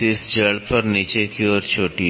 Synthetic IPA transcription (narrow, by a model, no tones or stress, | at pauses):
ɪsd͡ʒɐɽpɐɾnit͡ʃekiɔːɾt͡ʃʰoːʈi